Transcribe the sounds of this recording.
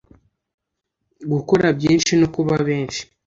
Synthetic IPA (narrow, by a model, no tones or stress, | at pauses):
ɡuko̞ɾabjiːnʃinokuβaβe̞ːnʃi̥